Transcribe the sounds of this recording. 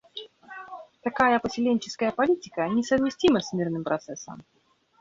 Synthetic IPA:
t̪ɐkajəpəsʲɪlʲenʲt͡ɕɪ̥skəjəpɐlʲitʲɪkənʲɪsəvmʲɪsʲtʲiməsʲmʲirnɨmpɾʔɐt̪sɛsːə̰m

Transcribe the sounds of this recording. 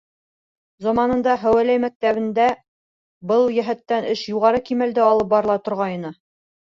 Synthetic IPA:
zɑmɑnɤ̆nd̪ɑɦæwælæjmæk̚t̪æβɘ̆nd̪æ | bɤlˠjæɦæt̪ːænɘʃjuʁɑɾɤkimæld̪ɘɒlˠɤp̚bɑɾɤ̆lˠɑt̪ŏɾʁɑjɤ̆nɤ

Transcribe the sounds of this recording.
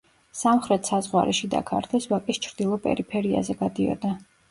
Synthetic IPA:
samχɾɛt̪ʰsazʁwa̰ɾʔɛʃid̪a̰kʰaɾt̪ʰɛswakʼist͡ʃʰɾd̪̥ilˠɔpʼɛ̰ɾipʰɛɾia̰zɛɡad̪iɔ̰d̪a

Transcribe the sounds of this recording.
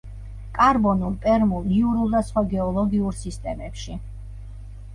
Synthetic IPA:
kʼaɾbɔnulˠpʼɛɾmulˠniuɾulˠd̪asχwaɡɛɔlˠɔɡiuɾsist̪ʼɛmɛpʃi

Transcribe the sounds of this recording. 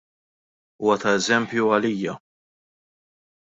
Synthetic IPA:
uːwɐt̪ɐɛzɛmpjuɐliːjɐ

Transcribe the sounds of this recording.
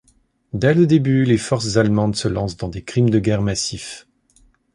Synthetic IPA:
d̪ɛləd̪ebylefɔʁszalmɑ̃d̪səlɑ̃sd̪ɑ̃d̪ekχimd̪əɡʲɛʁmasif

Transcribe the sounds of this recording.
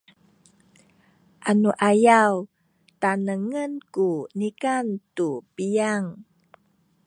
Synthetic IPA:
ʔanuʔajaw | tanəŋənkunikantupijaŋ

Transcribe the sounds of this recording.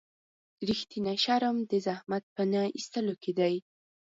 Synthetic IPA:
ɾixt̪inaʃaɾəmd̪əzahmat̪̚pənaist̪əloked̪aj

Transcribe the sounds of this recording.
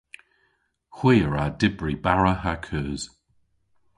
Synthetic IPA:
xwiːɹadɪbɹibaɹəɦakʰʉːz̥

